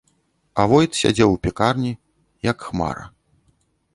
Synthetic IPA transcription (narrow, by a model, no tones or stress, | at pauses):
avɔjt̪sʲa̰d͡zʲɛwpʲɛkarnʲi | jɐkxma̰ɾɐ̰